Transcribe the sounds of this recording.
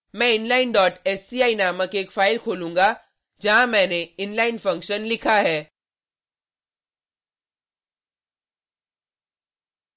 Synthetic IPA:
mɛ̃ɪnlaːɪnɖɔːʈɛːsiaːinaːməkeːkfaːɪlkʰoːlũːŋɡa | d͡ʒɐɦãmɛ̃ːneɪnlaːɪnfɐ̃ŋkʃənlɪkʰaɦɛː

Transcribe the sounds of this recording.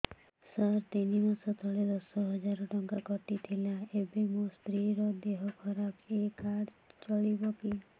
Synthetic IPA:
saɾt̪inimasɔt̪ʰɔɭed̪ɔsɔɦɔd͡ʒaɾɔʈɔŋkakɔʈit̪ʰilaebimũst̪ɾiɾɔd̪eɦɔkʰɔɾapekaɽt͡ʃɔɭibɔki

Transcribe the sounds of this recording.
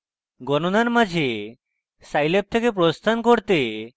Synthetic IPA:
ɡɔnonaɾmad͡ʑʱe | sajlep̚t̪ʰekep̬ɾost̪ʰankoɾt̪e

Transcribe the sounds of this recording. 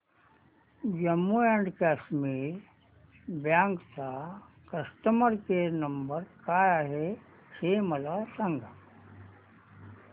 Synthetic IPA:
d͡ʑəmːuãɳɖkaːsmiːɾ | bjãːŋkt͡sa | kəsʈ̪əməɾkeɾnɐmbəɾkaːjaːɦe | hemɐlasaŋɡa

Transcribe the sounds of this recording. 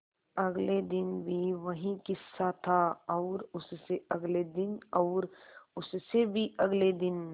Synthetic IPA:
ɐɡled̪ɪnbʱiʋɐɦĩkɪsːat̪ʰaɔːɾʊsseɐɡled̪ɪnɔːɾʊssebʱiɐɡled̪ɪn

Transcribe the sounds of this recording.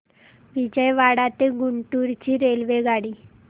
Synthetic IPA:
ʋid͡ʑəjʋaɽat̪eɡuɳʈuɾt͡ɕiːɾelʋeɡaɽiː

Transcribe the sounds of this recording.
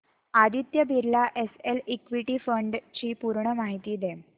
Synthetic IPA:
ad̪it̪jəbʱiɾlaʔeselikʋiʈiːfəɳɖt͡ɕiːpuɾɳəmaɦit̪iːd̪e

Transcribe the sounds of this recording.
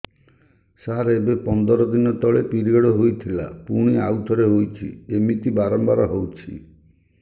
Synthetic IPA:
saɾebepɔnd̪ɔɾɔd̪inɔt̪ɔɭepiɾiɔɽɔɦojt̪ʰila̰puɽ̃iawt̪ʰɔɾeɦojt͡ʃʰḭemit̪ibaɾɔmbaɾɔɦowt͡ʃʰḭ

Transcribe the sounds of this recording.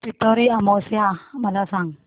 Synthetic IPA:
pit̪ɔɾiamosiamalasaŋ

